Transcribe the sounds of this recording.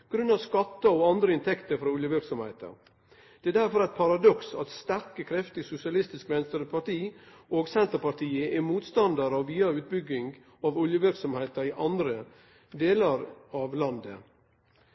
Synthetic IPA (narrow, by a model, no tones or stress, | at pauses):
ɡ̥ɾʉnːɑʋskɑt̪ːəɔɑnd̪ɾəɪnt̪ʰɛkt̪əɾfɾɔʊljəʋɪɾksɔmhæɪt̪ɑ̰ɾ | d̪̥ɛæd̪æɾfɔɾæɪt̪̚pʰɑɾɑd̪ɔksɑ̰t̪st̪æɾkəkʰɾɛft̪ɪsʊsɪɑlɪst̪ɪskmɛnst̪əɾəpʰɑʈiː | ʔoːɡsɛnt̪əɾpɑʈʰiːəʔɛmuːt̪st̪ɑnd̪ɑɾɑʋʋiːɑʉːt̪̚bʏɡɪŋɡ | ɑʋʊljəʋɪɾksɔmhæɪt̪ɑɾɪʔɑnd̪ɾə | d̪eːlɑɾɑʋlɑnd̪ə̰